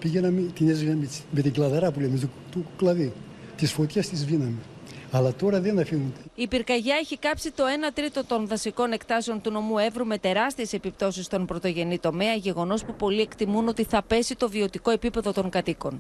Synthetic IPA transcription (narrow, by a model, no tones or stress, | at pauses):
piʝenɐmit̪inezɣɐmit͡si̥met̪iɡlɐðɐɾɐpulemet̪u | t̪uklɐði | t̪isfo̞t̪çɐst̪izvinɐmi | ɐlɐt̪o̞ɾɐðenɐfiɣund̪eipiɾkɐʝɐeçikɐpsit̪o̞e̞nɐt̪ɾit̪o̞t̪o̞nðɐsiko̞ne̞kt̪ɐseo̞nt̪uno̞mue̞vɾume̞t̪e̞ɾɐst̪ie̞se̞pip̚t̪o̞sist̪o̞npɾo̞t̪o̞ʝe̞nit̪o̞me̞ɐʝe̞ɣo̞no̞spupo̞lie̞kt̪imuno̞t̪iθɐpe̞sit̪o̞vio̞t̪iko̞e̞pipe̞ðo̞t̪o̞ŋkɐt̪iko̞̰n